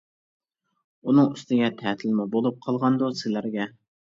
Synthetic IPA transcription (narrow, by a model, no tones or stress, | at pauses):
unɨŋyst̪ɪɡʲɛt̪ʰæt̪ʰɪlmɪbolˠup̚qʰɑlˠʁɑnd̪usɪlæɾɡʲɛ